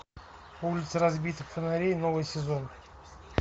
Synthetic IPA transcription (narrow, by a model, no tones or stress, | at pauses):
ulʲɪt̪səɾazbʲijt̪əkfʲenaɾʲejno̞vɨjsʲezo̞n